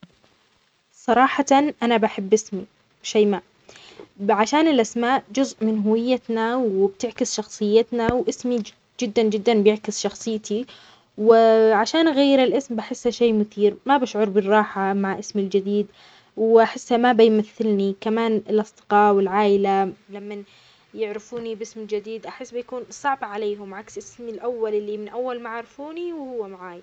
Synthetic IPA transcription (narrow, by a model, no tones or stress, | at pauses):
sˤɑɾˤɑːħanʔanabaħɪbːɪsmi | ʃaːmaːʔ | ʕaʃaːnɪlʔasmaːʔd͡ʒʊzʔmɪnɦʊwɪjːat̪nawɪbt̪ɪʕkɪsʃɑxsˤɨjːɪt̪nawʔɪsmi | d͡ʒɪd̪ːand͡ʒɪd̪ːanbjɪʕkɪsʃɑxsˤɨjːt̪ʰi | wɪʕaʃaːnɣajːɪɾɪlʔɪsmbaħɪsːhaʃeːmʊθiːɾmabaʃʕʊɾˤbɪrˤːɑːħamaʕʔɪsmɪld͡ʒɪd̪iːd̪ | wʔaħɪsːhamabajmaθːɪlnikamaːnɪlʔɑsˤd̪̥ɪ̥qɑːwɪlʕaːʔɪlalamːan | jɪʕɾɪfuːnibɪsmɪld͡ʒɪd̪iːd̪ʔaħɪsːbɪjakuːnsˤɑʕbʕaleːɦʊmʕaksʔɪsmɪlʔawːalʔɪlːimɪnʔawːalmaʕaʕɾɪfuːniwhʊwːamaʕaːj